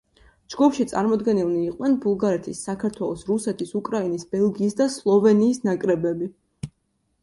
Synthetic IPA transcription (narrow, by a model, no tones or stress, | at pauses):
d͡ʒɡɔpʃit̪sʼa̰ɾmɔd̪ɡɛnilˠniːqʼw̪ɛnbulˠɡaɾɛt̪ʰisːakʰaɾt̪ʰwɛlˠɔsɾusɛt̪ʰisukʼɾainisbɛlˠɡiːsd̪aslˠɔvɛniːsnakʼɾɛbɛbi